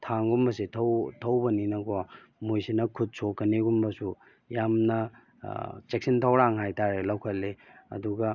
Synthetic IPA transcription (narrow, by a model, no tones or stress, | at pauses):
tʰaŋɡumbɐsetʰɐwtʰɐwbɐninɐɡo | mujsinɐkʰut̚sokːɐneɡumbɐsu | jamnɐ | t͡ʃek̚sintʰɐwɾaŋɦajtaɾelɐwkʰɐlːeɐ̰duɡɐ